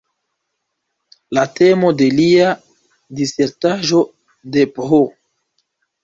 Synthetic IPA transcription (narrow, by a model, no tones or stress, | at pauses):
late̞mo̞de̞lia | dise̞ɾtaʒo̞ | depɦo